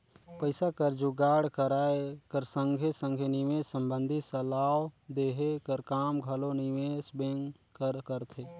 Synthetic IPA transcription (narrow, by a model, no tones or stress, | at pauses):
pəɪsakəɾd͡ʒuɡaːɽkəɾaekəɾsə̃ŋɡʱesə̃ŋɡʱeniʋeə̃mbə̃nd̪ʱisəlawd̪eɦekəɾkaːmɡʱəloniʋesbẽŋ | kəɾkəɾt̪ʰe